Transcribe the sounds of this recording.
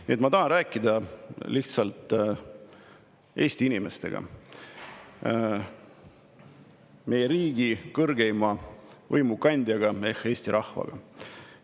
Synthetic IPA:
nḭet̪mɑt̪ɑɦɑnræːkːˑid̪ɑliht̪sɑlt̪ˑ | ʔe̞ːst̪iinime̞st̪e̞̰ɡ̥ɑ̰ | me̞jeɾiːɡ̥ikɤrɡe̞jmɑvɤjmukɑnʲd̪̥ʲjɑɡ̥ɑehe̞ːst̪iɾʔɑhvɑ̰ɡ̥ɑ̰

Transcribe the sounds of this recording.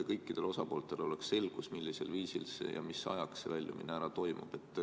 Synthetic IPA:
kɤ̞jkːˑid̪̥e̞lo̞sɑpo̞ːlt̪ˑe̞lo̞leksːe̞lɡ̥usmilʲːise̞̰lviːsḭlsḛjɑ̰misɑ̰jɑksevælʲjumḭnːæɾɑt̪o̞jmṵb̥e̞t̪ːˑ

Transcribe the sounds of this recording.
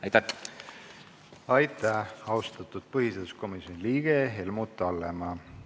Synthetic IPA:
ɑjt̪ːɑ | ɑjt̪ːˑæɑwst̪ɑt̪ːˑud̪̥̚pɤhiseːd̪̥u̥sko̞misjo̞niliːɡ̥eɦe̞lmut̪ːˑɑlːemɑ

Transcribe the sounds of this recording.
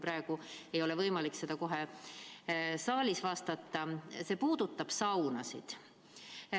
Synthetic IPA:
prɑe̞ɡ̥ue̞jo̞levɤjmɑlikse̞d̪̥ɑko̞ɦe̞ | sɑːlʲisvɑst̪ɑt̪ːɑse̞ːpuːd̪̥ut̪ːˑɑb̥sɑwnɑsḭd̪̥

